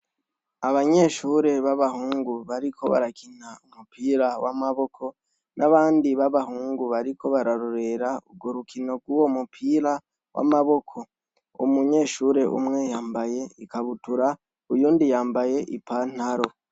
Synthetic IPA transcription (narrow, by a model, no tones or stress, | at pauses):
aβaɲe̞ːʃuːɾe̞βaβaɦuːŋɡuβaɾikʰo̞βa̰ɾakʰin̥aumupiːɾawa̰maβo̞kʰo̞ | nʔaβaːndiβaβahuːŋɡuβaɾikʰo̞βaɾaɾoɾe̞ɾauɡoɾukʰino̞ɡwuwo̞mupʰiːɾa | wʔa̰maβo̞kʰo̞ | ṵmuɲe̞ːʃuɾe̞ʔṵmŋe̞jaːmbaje̞ikaβutuɾa | ujuːndijaːmbaje̞ʔipan̥haɾo̞